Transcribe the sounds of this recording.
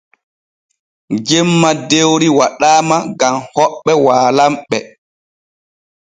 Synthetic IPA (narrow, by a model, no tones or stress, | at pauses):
d͡ʒɛmːadewɾiwaɗaːmaɡamhɔɓːɛwaːlamɓɛ